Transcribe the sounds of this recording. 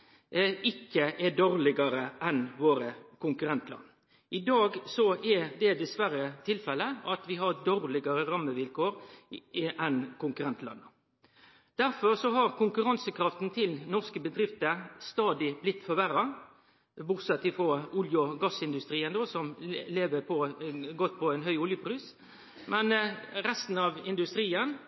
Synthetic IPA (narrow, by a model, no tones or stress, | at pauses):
ɪkːəʔɛd̪oɾlɪɡɑɾəʔɛnʋoːɾəkʊŋkʉɾɛnt̪lɑ̰n | ʔɪd̪ɑːɡsɔʔɛd̪ɛd̪ɛsʋæɾət̪ʰɪlfɛlːəɑt̪ʋɪɦɑɾd̪oʁlɪɡɑɾəɾɑmːəʋɪlkoːɾ | ʔɛnkʰʊŋkʉʁɛnt̪lɑ̰nːə | d̪̥æɾfɔʁsɔɦɑʁkʊŋkʉɾɑnsəkʰɾɑft̪n̩t̪ʰɪlnɔʁskəbəd̪ɾɪft̪əst̪ɑːd̪ɪblɪt̪ːfɔʋæɾɑ | bʊʁsɛt̪ːɪfʁɑʊljʊɡɑsɪnd̪ʉst̪ɾiːənd̪oːsɔmleːʋəpʰɔɡɔt̪ːpʰɔɛɪnɦœʏʊljəpʰʁyːs | mɛnɾɛst̪n̩ɑʋɪnd̪ʉst̪ɾiːən